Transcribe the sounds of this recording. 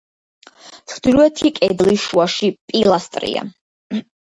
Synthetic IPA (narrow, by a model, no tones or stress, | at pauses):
sʰχd̪iɾuɛt̪ʰikʼɛd̪liʃuaʃipʼilˠast̪ʼɾḭa̰